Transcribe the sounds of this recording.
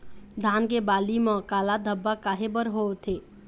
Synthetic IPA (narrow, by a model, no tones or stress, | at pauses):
d̪ʱankebaliməkalad̪ʱəbːakaɦebəɾɦot̪ʰe